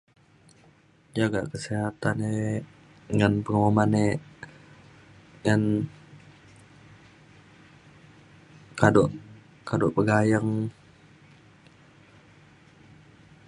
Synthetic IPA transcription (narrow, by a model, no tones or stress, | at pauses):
d͡ʒaɡa̰ʔkəseɦat̪ane | ŋanpəŋəmomane | ŋan | kadoʔ | kadoʔpəɡajəŋ